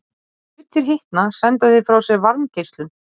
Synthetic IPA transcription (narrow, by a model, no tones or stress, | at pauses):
t̪ʰɪɾ̥ɦɪht̪nasɛnt̪aðɪfɾawsɛɣvaɾncejst̪lʏm